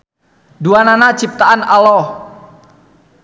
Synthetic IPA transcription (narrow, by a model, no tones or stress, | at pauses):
duananat͡ʃip̚t̪aanalɔ